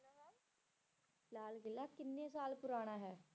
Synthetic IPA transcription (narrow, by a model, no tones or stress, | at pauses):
laːlɡɪlːakɪnːesaːlpʊɾaːɽ̃aɦɛː